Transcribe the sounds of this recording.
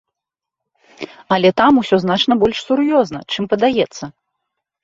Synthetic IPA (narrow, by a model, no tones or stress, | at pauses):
ɐlʲɛt̪amusʲɔznat͡ʂn̪ɐbɔlʲʂsuɾjɔznɐt͡ʂɨmpɐd̪ajɛt̪sːɐ